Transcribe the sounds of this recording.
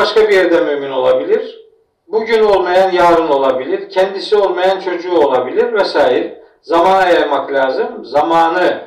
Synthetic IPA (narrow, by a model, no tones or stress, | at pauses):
baʃkabijɛɾd̪ɛmyːmino̞lˠabilʲiɾ̥ | buɟyno̞lˠmajanjaːɾɯno̞lˠabilʲiɾ̥cʰɛnd̪isiolˠmajant͡ʃʰo̞d͡ʒuːo̞lˠabilʲiɾvɛsaːjiɾ | zamaːnajajmaklʲaːzɯmzamaːnɯ